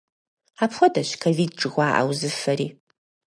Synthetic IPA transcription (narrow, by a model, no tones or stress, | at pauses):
aːpʰxʷɔdɐɕkʰoviːd̚ʈ͡ʂʼɨɣʷaːʔa̰wzɨfɐɾiː